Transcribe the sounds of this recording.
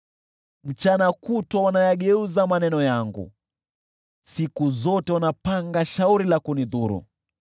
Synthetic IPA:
m̩t͡ʃanakutwawanajaɠɛuzamanɛnɔjaŋɡṵ | sikuzɔtɛwanapaŋɡaʃauɾilakuniðuɾṵ

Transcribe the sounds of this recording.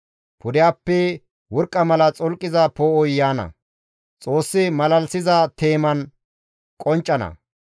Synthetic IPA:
pʰʊd̪ɪjaːpːɛ | wɔɾkʼːɐmɐlɐt͡sʼɔlkʼːɪzɐpoːɔjːaːnɐ̰ | t͡sʼoːsːɪmɐlɐlsɪzɐt̪e̞ːmɐn | kʼɔnt͡ʃʼːɐnɐ̰

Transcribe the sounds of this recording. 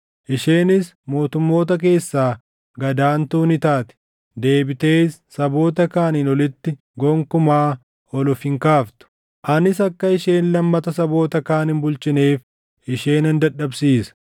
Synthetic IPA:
ʔɪʃeːnɪs | mo̞ːt̪ʊmːo̞ːt̪̬ɐk̬e̞ːsːaː | ɡɐd̪aːnt̪uːnɪt̪aːt̪ɪ̥ | d̪e̞ːbɪt̪e̞ːsːɐbo̞ːt̪ɐkaːninɔlɪt̪ːɪ | ɡɔŋkʊmaː | ɔlʊfɪŋkaːft̪ʊ̥ | ʔɐnɪs̬ɐkːɐɪʃe̞ːnlɐmːɐt̪ɐsɐbo̞ːt̪ɐkaːnɪnbʊlt͡ʃɪneːf | ɪʃeːnɐnd̪ɐᶑːɐbsiːsɐ̥

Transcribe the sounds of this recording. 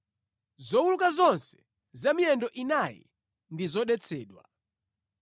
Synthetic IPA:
zɔwulukazɔnsɛ̥ | zamiɛndɔʔinajɛ̰ | ndizɔɗɛt͡sʰɛːɗwa̰

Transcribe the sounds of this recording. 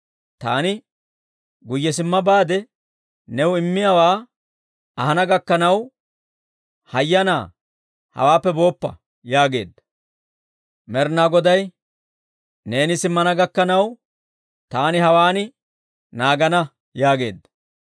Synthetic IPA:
t̪a̰ːnɪ | ɡʊjːɛs̬ɪmːɐbaːd̪ɛ | nɛwʊɪmːɪjawaː | tɐhɐnɐɡɐkːɐnɐw | hɐjːɐna̰ː | hɐ̰waːpːɛbo̞ːpːɐ̰ | jaːɡe̞̰ːd̪ːɐ̥ | mɛɾnaːɡɔd̪ɐj | ne̞ːnɪsɪmːɐnɐɡɐkːɐnɐw | t̪aːnɪɦɐwaːnɪ | naːɡɐnɐ | jaːɡe̞ːd̪ːɐ

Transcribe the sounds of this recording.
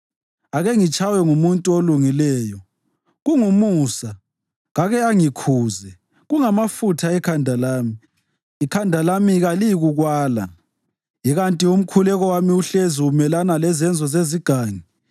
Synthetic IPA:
aɣɛŋit͡ʃʼawɛŋumuntʼuoluŋilɛːjɔ | ɣuŋumuːsa | ɣaɣɛaŋikʰuːzɛ | ɣuŋamafutʰaɛkʰandʱalaːmiː | kʰandʱalamiɣaliɣuɣwaːla̰ | jiɣantʼium̩kʰulɛɣɔwamiuɬeziumɛlanalɛzɛnd͡zʱɔzeziɡ̥ʱaːŋi

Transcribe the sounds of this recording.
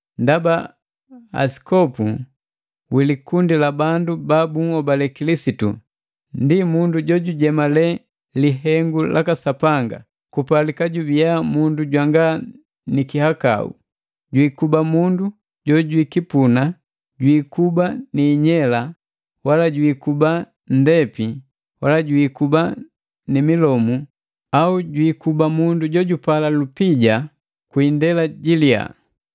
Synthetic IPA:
ndaba | a̰si̥kɔpu | wilikundilabandubabuŋɔbalɛkilisitṵ | ndimunduɟɔɟuɟɛmalɛ | liɦɛŋɡulʔakasapaŋɡa̰ | kupalikaɟubijamunduɟwaŋɡa | nikihaka̰ṵ | ɟwikubamundu | ɟɔɟwikipuna | ɟwikubaniːɲɛla | walaɟwiːkuba | n̩dɛpi | walaɟwiːkuba | nimilɔmu | auɟwikubamunduɟɔɟupalalupiɟa | kwiːndɛlaɟilia̰

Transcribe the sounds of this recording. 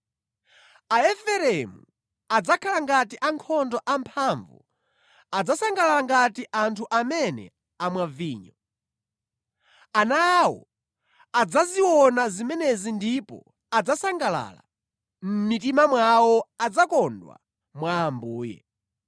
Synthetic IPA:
aɛfɛɾɛmu | ad͡zakʰalaŋɡatiʔaŋkʰɔndɔʔampʰaɱvṵ | ad͡zasaŋɡalalaŋɡatiʔantʰuʔamɛnɛ̰ | amwaviːɲɔ | anawɔ̰ | ad͡zaziwɔnazimɛnɛzindipɔ̰ | ad͡zasaŋɡala̰ːla̰ | m̩mit̬imamwawɔad͡zakɔndwa̰ | mwaːmbuːjɛ̰

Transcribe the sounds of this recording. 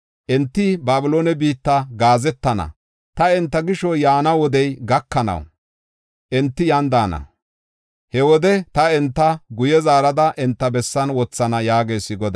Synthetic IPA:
ʔɛnt̪ːɪbaːbɪloːnɛbiːt̪ːɐɡaːzɛt̪ːɐnɐ̰ | t̪ɐɛnt̪ːɐɡɪʃɔjaːnɐwɔd̪ɛjɡɐkːɐnɐ̰w | ʔɛnt̪ːɪjɐnd̪aːnɐ̰ | hɛwɔd̪ɛt̪ɐɛnt̪ːɐɡʊjɛzaːɾɐd̪ɐʔɛnt̪ːɐbɛsːɐnwɔt͡sːɐnɐjaːɡe̞ːsːɪɡɔd̪

